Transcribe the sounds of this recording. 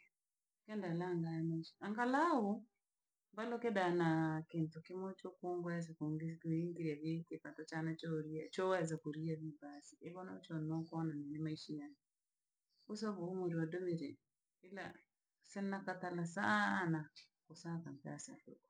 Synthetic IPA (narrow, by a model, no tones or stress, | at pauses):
kɛndalaŋɡajɛmaiʃi̥aŋɡalau | mbalɔkɛdanakentɔkɪmɔt͡ʃokoŋɡɔɛs̬akoɡkiŋɡiɾjaβikepatɔt͡ʃanat͡ʃɔɾiat͡ʃɔwɛz̬akoɾiaβibasiʔeβɔnɔt͡ʃɔnɔkɔnanɛnɛmaiʃiɲan | osɔβomoɾiadomeɾe | ɪla̰ | sɛnːakatalasana | kosakampa̰sa̰do̰kɔ